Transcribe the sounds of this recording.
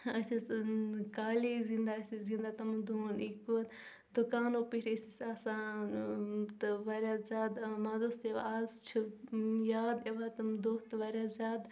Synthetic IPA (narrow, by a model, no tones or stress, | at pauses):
ɐsi | kaːlizĩnd̪aɐsʲizĩnd̪aːt̪ɐmd̪oːnikuɐt̪ | d̪ukaːnoːpiʈisisaːsaːnt̪ɨʋɐɾʲjazʲaːd̪mɐzoseʋ̰azt͡ʃʰijaːd̪eʋat̪ɐmd̪oːt̪ʋɐɾjazʲaːd̪